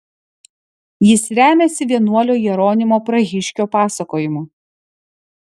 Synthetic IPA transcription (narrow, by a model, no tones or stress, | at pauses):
jɪsɾʲæːmʲesʲɪʋʲiɛnuɔlʲoːjiɛɾoːnʲɪmoːpɾɐɣʲɪʃʲkʲoːpɑːsɐkoːjɪmu